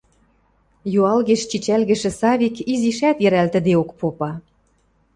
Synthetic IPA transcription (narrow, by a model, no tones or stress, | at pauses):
juɑlɣĕʃt͡ɕit͡ɕælɣə̆ʃĕsɑβikiziʃæt̪jɘ̆ɾælt̪ə̆d̪eokpopɑ